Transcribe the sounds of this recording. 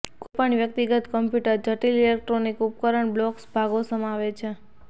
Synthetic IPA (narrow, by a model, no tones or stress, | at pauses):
kupaɳ̃iʋjək̚t̪iɡət̪kəmpjuʈəɾd͡ʒəʈililek̚ʈɾonikup̚kəɾəɳblɔksbʱaɡosəmaʋet͡ʃʰe